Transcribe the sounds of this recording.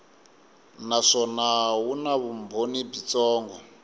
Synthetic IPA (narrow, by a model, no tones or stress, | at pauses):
naʂɔnawunaβumbʱonibit͡sɔːŋɡɔ